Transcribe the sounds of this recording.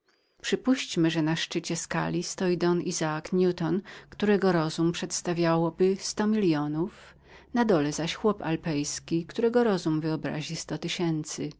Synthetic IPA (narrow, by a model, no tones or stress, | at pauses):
pʂɘpuɕt͡ɕmɘʐɛnaʂt͡ʂɘt͡ɕɛska̰lʲist̪ɔjid̪ɔnizaːkɲʲut̪ɔnkt̪uɾɛɡɔɾɔzumpʂɛt̪st̪avʲjawɔbɘst̪ɔmʲilʲjɔnuf | nad̪ɔlɛzaɕxwɔpa̰lpɛjskʲikt̪uɾɛɡɔɾɔzumvɘɔbɾa̰ʑist̪ɔt̪ɘɕɛnt̪sɘ